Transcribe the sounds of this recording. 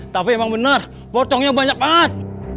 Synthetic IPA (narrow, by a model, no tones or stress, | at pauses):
t̪apiemaŋbənər | pot͡ʃ̪ɔŋɲabaɲak̚bat̪̚